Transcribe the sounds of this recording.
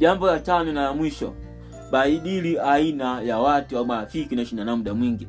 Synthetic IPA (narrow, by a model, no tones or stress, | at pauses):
ʄambɔlatanɔnalamwiʃɔ̰ | ɓaiɗiliainajawatuwamafikinaʃinanamuɗamwiŋɡi